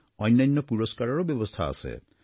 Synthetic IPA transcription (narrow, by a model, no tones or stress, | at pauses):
ɔjnːanːɔpuɹɔskaɹɔɹobjɔbɔst̪ʰaa̰sḛ